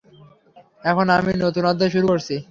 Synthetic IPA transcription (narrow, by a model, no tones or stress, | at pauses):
ɛkʰonaminot̪unad̪ʱːeʃ̬uɾukoɾt͡ɕʰi